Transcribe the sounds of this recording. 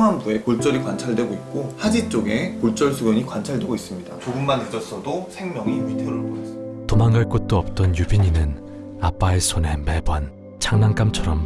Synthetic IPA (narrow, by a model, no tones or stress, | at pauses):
ŋambue̞koɭt͡ɕ͈ʌɾikwant͡ɕʰaɭdwe̞ɡoit̚k͈ohad͡ʑit͡ɕ͈oɡe̞koɭt͡ɕ͈ʌɭsʰuɡʌɲikwant͡ɕʰaɭdwe̞ɡois͈ɯmɲidat͡ɕoɡumːanid͡ʑʌs͈ʰʌdosʰe̞ŋmjʌŋimitʰeɾuɭbotomaŋɡaɭk͈ot̚t͈oʌp̚t͈ʌnjubiɲinɯn | ap͈aesʰone̞me̞bʌn | t͡ɕaŋnaŋk͈amt͡ɕʰʌɾʌm